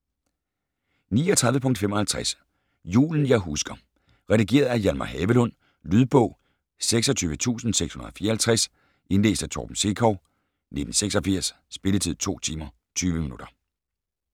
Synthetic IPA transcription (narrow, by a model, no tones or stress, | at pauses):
niːɒt͡sʰʁɑðˠʋəpʰɔ̽ŋ̰d̥femɒ̽hælt͡sʰʁæs | jṵːln̩jɑ̈ɪɦusɡ̥ɐ | ʁɛd̥iɡ̥e̝̰ːɐð̞̩ˠæjælmɑhɛːʋəlɔ̽n̰ | lyð̞ˠb̥ɔ̽ʊ̰ | seɡ̥sɒt͡sʰyːʋət͡sʰṵːsn̩seɡ̥shunɐðˠɒfiːɐhælt͡sʰʁas | ʔe̝nle̝̰ːsd̥æt͡sʰɒ̰ːb̥m̩se̝kʰɒʊ | ne̝d̥n̩seɡ̥sɒ̽fiɐ̰sːb̥e̝lət͡sʰið̞̰ˠt͡sʰo̝̰ːt͡sʰiːmɐ | t͡sʰyːʋəminud̥ɐ